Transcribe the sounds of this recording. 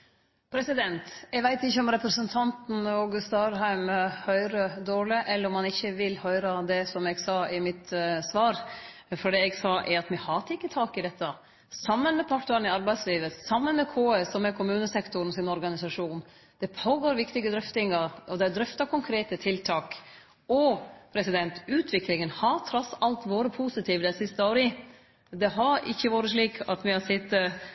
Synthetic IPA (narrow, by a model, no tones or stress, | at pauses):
pʰɾɛsɪd̪ɛnt̪ɛɡʋæɪt̪ɪçːəɔmɾɛpɾəsənt̪ʰɑnt̪n̩ɔɡʉst̪ɑɾɦæɪmhœʏɾəd̪oːlɪʔɛlːəɾɔmɑnɪçːəʋɪlhœʏɾɑd̪ɛsɔmɛɡsɑːɪmɪt̪sʋɑːɾ | fɔɖɛːɛɡsɑːʔɛɾɑt̪mɛhɑːt̪ʰəɪkːət̪ʰɑːkɪd̪ɛt̪ʰːə | sɑmːənmɛpʰɑʈnəɾənɪɑɾbæɪsliːʋəsɑmːənmɛkʰoːesɔmːɛkʰʊmʉːnəsɛkt̪ʊɾnɔsɪnɔɾɡɑnɪsɑʂuːn | d̪̥ɛpʰoːɡoːɾʋɪkt̪ɪɡəd̪ɾʏft̪ɪŋɑɾɔd̪ɛd̪ɾʏft̪ɑkʰʊŋkʰɾeːt̪ət̪ʰɪlt̪ʰɑːk | ɔpʰɾɛsɪd̪ɛnt̪ʉːt̪ʰʋɪklɪŋənhɑɾt̪ʰɾɔsːɑlt̪ʋoːɾəpʰusɪt̪ʰiːʋəd̪ɛsɪst̪əoːɾɪ | d̪ɛɦɑɾɪ̰çːəʋoːɾəʂɭiːkʰɑt̪mɪhɑsɪt̪ːə